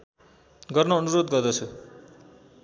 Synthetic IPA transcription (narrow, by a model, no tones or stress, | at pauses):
ɡʌrnʌːnuɾod̪ɡʌrd̪ʌt͡sʰu